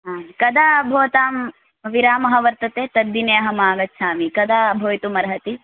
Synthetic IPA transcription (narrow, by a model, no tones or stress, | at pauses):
ɦaːkɐd̪aːbʱoːt̪aːm | ʋiɾaːmɐɦɐʋɐɾt̪ɐt̪eːt̪ɐd̪ːineːɐɦɐmaːɡɐtːʃʰaːmikɐd̪aːbʱoːjt̪umɐɾɐɦɐt̪i